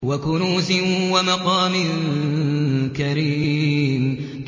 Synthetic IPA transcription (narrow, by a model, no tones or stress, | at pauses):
wakʊnuːsɪnwamaqɑːmɪn | kaɾiːm